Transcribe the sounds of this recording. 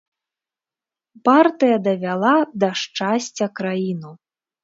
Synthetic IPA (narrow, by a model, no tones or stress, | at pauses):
part̪ɨjɐd̪ɐvʲalˠad̪ɐʂt͡ʂasʲt͡sʲɐkɾajinu